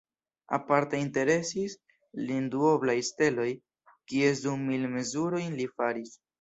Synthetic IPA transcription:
a̰paɾteinte̞ɾe̞sis | linduo̞blajste̞lo̞j | kie̞dumːilme̞zuɾo̞jnlifaɾis

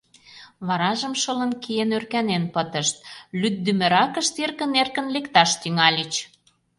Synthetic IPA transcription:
βɑɾɑʒə̆mʃələ̆nkijenørkænenpət̪ə̆ʃt̪̚lyt̪̚d̪ymɘ̆ɾɑkə̆ʃt̪erkə̆nerkə̆nlekt̪ɑʃt̪yŋɑlʲət͡ɕ

